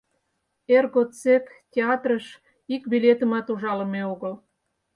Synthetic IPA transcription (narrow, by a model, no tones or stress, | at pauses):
erɣot͡sektʲeɑt̪rəʃ | ikbilʲet̪ə̆mɑt̪uʒɑlə̆meoɣəl